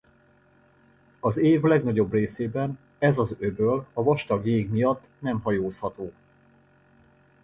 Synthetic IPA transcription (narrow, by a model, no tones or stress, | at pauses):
ɒzeːvlɛɡnɒɟo̞breːseːbɛn | ɛzɒzøbølɒvɒʃt̪ɒɡjeːɡmijɒt̪ːnɛmɦɒjoːshɒt̪oː